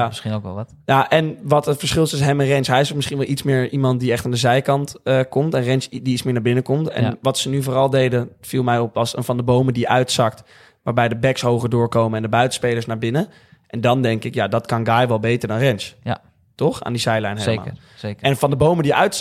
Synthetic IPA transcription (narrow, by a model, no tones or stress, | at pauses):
msinokɛ̰lˠtjaʔɛnʋɑtətfəɹsχɪlˠtɪs̬ɦɛmənrɛnsɦɛjɪsomɪsχinʋɛlˠitsmɪːɹimɑnt̚diɛχtaːndəzɛjkɑntəkɔmtɛnrɛnsdiismɪːɹnaɹbɪnəkɔmtɛ̰nnʋɑtsənyvʊːɾɑlˠdejdəfilˠmɛjɔpʋɑsə̰nvɑndəbowmədiʔœɥtsɑkt | ʋaːɹbɛjdəbɛksɦowχədʊːɹkowməɛndəbœɥtə̥spejləsnaːɹbɪnə | ʔɛndɑndɛŋkɪkjaːdɑtkɑnɡaːjʋɛlˠbejtəɹdɑnrɛns | tɔχa̰ːndizɛjlɛjnɦelma̰ | kɛnənvɑndəbowməndiʔœ̰ɥt